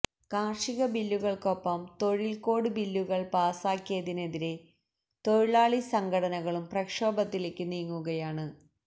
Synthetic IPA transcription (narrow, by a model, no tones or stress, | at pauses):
kaːrʂiɣɐbilːuɣɐɭko̞pːɐmt̪o̞ɻilko̞ːɽɨbilːuɣɐɭpaːsaːkːijɐðine̞ðiɾe̞ | t̪o̞ɻiɭaːɭisɐŋɡʱɐɽɐnɐɣɐɭumprɐkʂo̞ːbɐt̪ːileːkʲːɨniːŋːuɣɐjaːɳɨ